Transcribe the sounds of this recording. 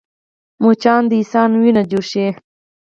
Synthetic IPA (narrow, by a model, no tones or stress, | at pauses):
mot͡ʃɑːnd̪əisɑnwinad͡ʒuʃe